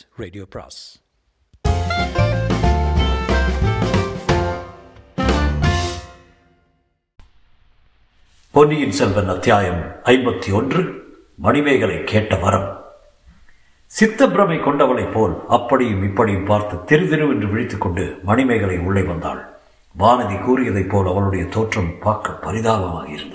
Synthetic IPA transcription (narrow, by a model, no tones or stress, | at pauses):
ɾeɖiopʰa̰s | pɔnːɪjɪnsɛlʋɐnɐt̪ːjaːjɐmɐɪmbɐt̪ːiɔndrɯ | mɐnɪmɐɪɣɐɭɐɪkːeːʈːɐʋɐɾɐm | sɪt̪ːɐpɪɾɐmɐɪkɔɳɖɐʋɐɭɐɪpːoːlɐpːɐɽɪjɯmɪpːɐɽɪjɯmpaːɾt̪ɐt̪ɪɾɯðɪɾɯmɛndrɯʋɪɻɪt̪ːɯkːɔɳɖɯmɐnɪmɐɪɣɐɭɐɪʊɭːɐɪʋɐnd̪a̰ːɭ | baːnɐðikuːɾɪjɐðɐɪpːoːlɐʋɐɭɯɽɐjɐt̪oːʈrɐmpaːɾkɐpːɐɾɪðaːɣɐma̰ːɣɐɪ̰ɾɯnd̪ɐ